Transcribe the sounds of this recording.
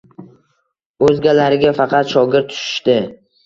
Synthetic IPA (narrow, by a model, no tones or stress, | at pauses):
ɵzɡʲalaɾɪɡʲafɑqʰɑt̪ʃɒɡʲɪɾt̪ʰʊ̥ʃɪ̥ʃt̪ɪ